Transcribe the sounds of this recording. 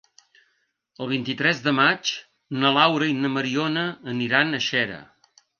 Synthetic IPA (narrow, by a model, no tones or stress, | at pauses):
əlˠβ̞int̪it̪ɾɛzðəmat͡ʃ | nəlawɾəinəməɾionəːniɾanəʃɛɾə̰